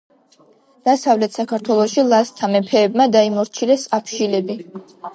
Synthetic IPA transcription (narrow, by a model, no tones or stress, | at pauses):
d̪̥asavlɛt̪ʰsakʰaɾt̪ʰwɛlˠɔʃilˠast̪ʰamɛpʰɛːbmad̪aimɔɾt͡ʃʰilɛsapʰʃilɛbi